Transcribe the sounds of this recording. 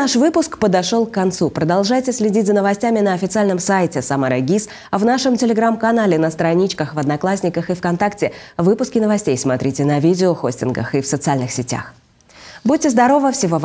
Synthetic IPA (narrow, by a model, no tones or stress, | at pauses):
aʂvɨpʊskpəd̪ɐʂo̞lˠkːɐnt̪supɾəd̪ɐlˠʐajtʲɪsʲlʲɪdʲitʲzənəvɐsʲtʲamʲɪnəɐfʲɪt̪sɨalʲnɨmsajtʲɪsamaɾəɡʲis | ɐvnaʂɨmtʲɪlʲɪɡɾamkɐnalʲɪnəst̪ɾɐnʲit͡ɕkəxvɐd̪nɐklˠasʲnʲɪkəxɨfkɐnt̪aktʲɪvɨpʊskʲɪnəvɐsʲtʲejsmɐt̪ɾʲitʲɪnɐvʲidʲɪoxo̞sʲtʲɪnɡə̰xɨfsət̪sɨalʲnɨxsʲɪtʲa̰x | but̚ʲtʲɪzd̪ɐɾo̞vəfsʲɪvo̞v